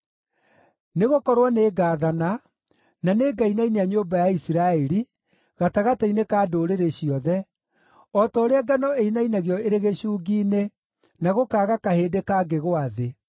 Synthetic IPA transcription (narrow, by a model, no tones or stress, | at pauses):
neɣokɔɾwaneːɡaːðana | naneɡainaineaɲoːbajaisiɾaɛɾi | ɣataɣatainekaːdoːɾeɾeɕiɔðɛ | ɔtɔːɾeaɡanɔeinainaɣjɔeɾeɣeɕuːɡiːne | naɣokaːɣakahedekaɡeɣoaðe